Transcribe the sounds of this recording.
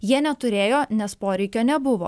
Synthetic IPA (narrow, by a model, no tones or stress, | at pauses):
jiɛnʲɛt̪ʊɾʲeːjoːnʲɛspoːɾʲɛɪkʲoːnʲɛbʊʋo̰ː